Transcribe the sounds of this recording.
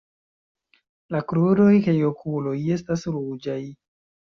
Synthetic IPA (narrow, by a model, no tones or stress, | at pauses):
lakɾudo̞jkajokʰulo̞je̞stasɾud͡ʒaj